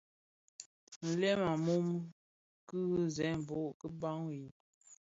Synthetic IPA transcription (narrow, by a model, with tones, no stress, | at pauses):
n̩˨lɛ˦ma˨mu˦m˦ | kɨ˦ɣzɛ˨˦m˨bo˦˨ʔkə˦ba˦ŋwi˨